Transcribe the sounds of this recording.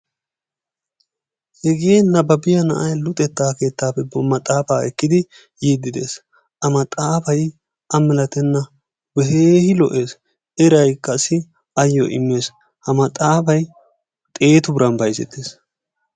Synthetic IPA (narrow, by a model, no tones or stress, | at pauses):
hɛɡeːnɐbɐbɪjɐnɐ̰ʔɐjlʊt̪ʼɛt̪ːaːke̞ːt̪ːaːpːɛbɐmɐt̪ʼaːfaːɛkːɪd̪ɪ | jiːd̪ːɪd̪e̞ːs | ɐmɐt̪ʼaːfɐj | ɐmɪlɐt̪ɛnːɐ | bɛɦeːhɪlɔ̰ʔe̞ːs | ɛɾɐjkɐsɪ | ɐjːɔ̰ʔɪ̰mːe̞ːs | hɐmɐt̪ʼaːfɐj | t̪ʼe̞ːt̪ʊbɪɾɐnbɐjsɛ̰t̪ːeːs